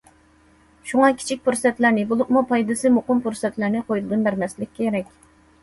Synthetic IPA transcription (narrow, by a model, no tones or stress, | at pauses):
ʃuŋɑkʲʰi̥t͡ʃʰik̚ʲpuɾsɛt̪læɾnɪbulˠʊqmupʰɑjd̪ɨsɨmuqʊmpuɾsɛt̪læɾnɪqʰojulɨd̪ɨnbæɾmɛslɪkʲːʰeeɾɛkʲ